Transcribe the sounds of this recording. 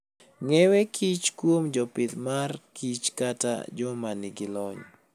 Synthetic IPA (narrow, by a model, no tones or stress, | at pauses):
ŋɛwekʰit͡ʃkwomd͡ʒɔpɪt̪markit͡ʃkata̰d͡ʒɔmanɪɡɪlɔɲ